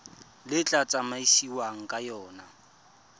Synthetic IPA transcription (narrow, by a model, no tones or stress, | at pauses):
lɪt͡ɬʼat͡sʼamaisiwaŋ̩kʼajɔːna